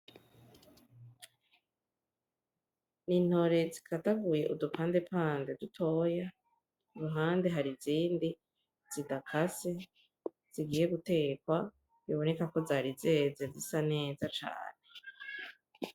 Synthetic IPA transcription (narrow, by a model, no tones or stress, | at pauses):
nin̥ho̞ɾe̞zikʰataɡuje̞ʔudupʰaːnde̞paːnde̞dutʰo̞ːja | uɾuɦaːnde̞ɦaɾiziːndi | z̥idakʰase̞ | z̥iɡiːje̞ɡute̞kwa | βiβo̞ne̞kako̞zaːɾize̞ːzezisane̞ːzat͡ʃa̰ːne̞